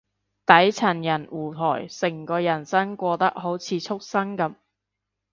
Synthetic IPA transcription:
t̪ɐ˨˥jt͡sʰɐ˨˩njɐ˨˩nwʔuː˨˩t̪ʰɔː˨˩jsɪ˨˩ŋkɔː˧jɐ˨˩nsɐ˥ŋkʷɔː˧t̪ɐ˥k̚ho˨˥wt͡sʰiː˨˧t͡sʰʊ˥k̚sɐ˥ŋkɐ˨˥m

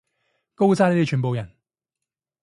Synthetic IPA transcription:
ko˥wt͡saː˥nle˨˥ti˥t͡ʃʰyː˨˩npo˨˧wjɐ˨˩n

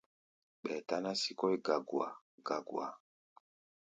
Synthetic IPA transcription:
ɓɛ˨ta˦na˦si˦kɔ˦i˦ɡa˨ɡwa̰˨ | ɡ̥a˨ɡw̰a˨

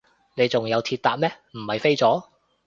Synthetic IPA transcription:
ne˨˧jt͡sʊ˨ŋjɐ˨˧wt̪ʰiː˧t̚t̪aː˨p̚mɛː˥ | m̩˨˩hɐ˨jfe˥jt͡sɔː˨˥

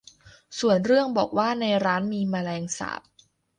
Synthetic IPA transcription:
su˨˩ənɾɯ˥˩əŋbɔː˨˩k̚waː˥˩na˧jɾaː˦˥nmiː˧maː˧lɛː˧ŋsa̰ː˩˦p̚

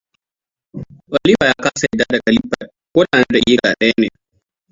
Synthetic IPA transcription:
wa˨li˦ba˨ja˦kaː˦sa˨i˨daː˦da˨kʼɐ˨li˦pːa̰˨ | koː˦ɗa˨na˦da˨ʔi˦ɾaː˨ɗɐ˦ja˦ne˨

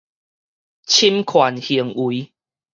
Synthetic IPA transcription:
t͡ɕʰi˦mkʰwa˨˩nhi˨˩əŋi˨˦

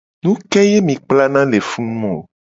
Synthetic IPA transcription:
nũ˦kɛ˦je˦mĩ˨k͡pla˦nã˦le˨fũ˦nũ˦ɔ̃˨

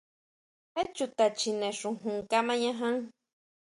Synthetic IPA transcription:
he˦t͡ʃut̪a˨t͡ʃi˧nẽ˨ʂũ˨ɦũ˨ŋka˦mã˦ɲã˦ɦã˦ŋ

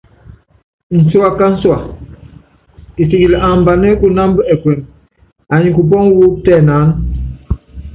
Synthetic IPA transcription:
n̩˨su˦a˨ka˦n̩˦swa˨ | i˨si˨ɡi˨lʔa˨m˨ba˨nɛ˦ku˦na˦m˦bə˦ɛ˨kwɛ˨n | a˨ɲi˨ku˨p̬ɔ˦ŋ˦wu˦k̚tɛː˦˨naː˨˦n

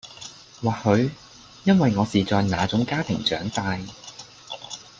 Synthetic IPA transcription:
waː˨˩hɵ˨˧ɥ | jɐ˥nwɐ˨jŋɔː˨˧siː˨t͡sɔː˨jnaː˨˧t͡sʊ˨˥ŋkaː˥t̪ʰɪ̰˨˩ŋt͡ʃœ̰ː˨˥ŋsaː˧j

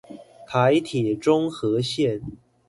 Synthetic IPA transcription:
t̪ʰa˧˥ɪt̪ʰi˨˩ʈ͡ʂʊ˥ŋxɤ˧˥ɕjɛ˥˩n

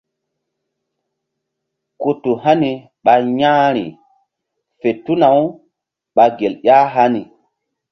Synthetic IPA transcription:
ku˨tu˨ɦa˦ni˨ | ɓa˨ɲãː˦ɾḭ˨ | fe˨tu˦na˨w | ɓa˨ɡe˨ljʲa˦ɦa˦ni˨

